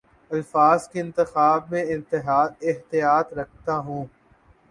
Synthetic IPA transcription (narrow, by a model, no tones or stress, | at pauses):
ɐlfaːzkeɪ̃nt̪ɪxaːbmẽɪ̃nt̪ɪɦaːd̪ɪɦt̪ijaːt̪ɾɐkʰt̪aɦũː